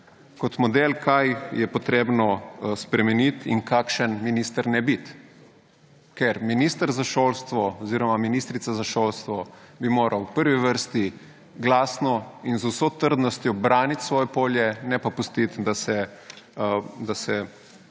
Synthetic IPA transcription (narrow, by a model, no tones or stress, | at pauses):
kɔt̪mɔd̪elkʰajjɛpɔt̪ɾebnɔspɾɛmɛnit̪ḭŋkakʃənminist̪əɾnɛbit̪ | kɛɾminist̪əɾzaʃolst̪ʋɔɔziːɾɔmaminist̪ɾit̪sazaʃolst̪ʋɔbimoːɾʔawpəɾʋiʋəɾst̪i | ɡlaːsnɔinzuwsot̪əɾd̪nɔst̪jɔbɾaːnit̪sʋɔːjɛpoːljɛnɛpapust̪it̪d̪asɛ | d̪asɛ